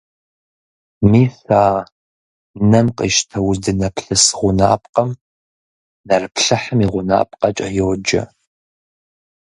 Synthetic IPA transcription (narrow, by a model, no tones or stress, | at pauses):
miːθaː | nɐmqʼḭʃtʰɐwʊzdɨnɐpʰɬɨsɨʁʷʊna̰ːpʼqʼɐm | nɐrɨpɬɨħəmiʁʷʊna̰ːpʼqʼɐt͡ʃʼɐ̰joːd͡ʒɐ̰